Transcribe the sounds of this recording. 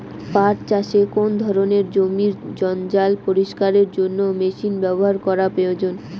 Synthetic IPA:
paɾt͡ɕaʃekond̪ʱɔɾoneɾd͡ʑomiɾd͡ʑɔnd͡ʑalpoɾiʃkaɾeɾd͡ʑonːomeʃinbɛboɦaɾkɔɾapeod͡ʑon

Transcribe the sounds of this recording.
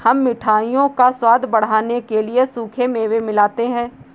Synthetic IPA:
hɐmːɪʈʰaːijõkaswaːd̪ʱbɐɽ̤aːnekeliesuːkʰemeːʋemɪlaːt̪eɦɛ̃ː

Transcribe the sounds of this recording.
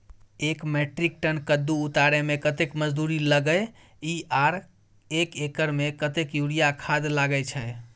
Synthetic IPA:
ekmeʈɾik̚ʈənkəd̪ːuːt̪aɾemekət̪ekməd͡ʒd̪uɾiləɡəj | iaɾ | ekekəɾmekət̪ekjuɾijakʰad̪laɡəjt͡ʃʰəj

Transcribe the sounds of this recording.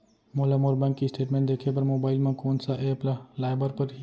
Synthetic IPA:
moːlamoːɾbɛ̃ŋkːiɪsʈeːʈmẽːɳʈd̪eːkʰep̬ɐɾmoːbaːɪlmãkoːnsaʔeːplalaːɪbəɾpɐɾ

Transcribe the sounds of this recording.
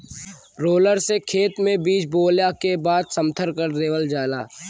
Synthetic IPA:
ɾoːləɾsekʰeːt̪mẽbiːt͡ʃboːljakebaːd̪sɐ̃mt̪ʰəɾkəɾɾeːʋəld͡ʒaːlaː

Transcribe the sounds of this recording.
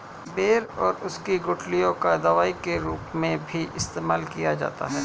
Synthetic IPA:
beːɾɔːɾʊskiɡʊʈʰlijõkad̪ɐʋaːikeɾuːpmẽbʱiʔɪst̪eːmaːlkijad͡ʒa̰ːt̪a̰ɦɛː

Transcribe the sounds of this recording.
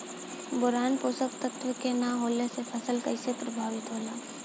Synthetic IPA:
bʊɾaːnpoːsək̚t̪ət̪ʋəkenaɦoːlesepʰɐsəlkɐɪsepɾɐbʱaːʋɪt̪ɦoːlaː

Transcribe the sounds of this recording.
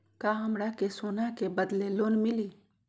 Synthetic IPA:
kaːɦɐmɽakesoːnakebəd̪leloːnmɪliː

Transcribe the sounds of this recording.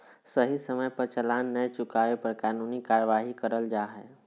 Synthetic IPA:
səɦisəməjpɐɾt͡ʃəlaːnːəjt͡ʃʊkaːʋepɐɾkaːnuːnikaːɾəʋaːɦikəɾəld͡ʒaːɦɛː

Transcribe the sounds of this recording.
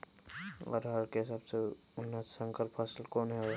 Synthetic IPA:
ɔ̰ːɾɦɐɾkesəbse | ʊnːassə̃ŋkəɾpʰəslkoːnɦɛɔ

